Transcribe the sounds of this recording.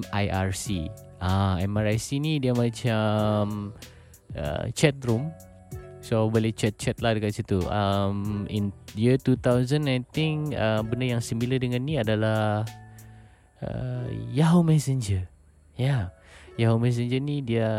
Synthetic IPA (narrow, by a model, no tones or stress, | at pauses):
ajʔarsi | aɛmaɾajsinidiamat͡ʃam | ə̰t͡ʃɛt̪̚rum | sobolet͡ʃɛt̪̚t͡ʃɛt̪̚lahdəkat͡ʃit̪uʔəmḭnjət̪ut̪awzənajt̪ɪŋəmbəndəjaŋsimbilədəŋanːiadala | ə̰jaɦomɛsənd͡ʒər | jajaɦomɛs̬əɲd͡ʒənidia